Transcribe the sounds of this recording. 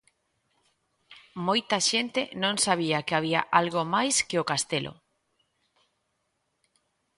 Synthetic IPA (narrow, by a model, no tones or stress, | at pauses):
mojt̪ɐʃent̪enõŋsaβ̞iakeaβ̞iaʔalɣomajskeokast̪elʔo̰